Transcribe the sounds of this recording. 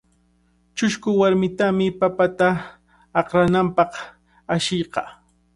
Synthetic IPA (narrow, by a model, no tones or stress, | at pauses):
t͡ʃʊʃkʊwaɾmɪt̪amɪpapat̪aː | qɾanampɑq | aʃɪjqɑ